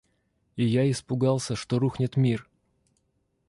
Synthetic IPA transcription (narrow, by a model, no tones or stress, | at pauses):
ɪjaɪspʊɡɑlˠsʲəʂt̪oɾuxnʲɪt̪mʲir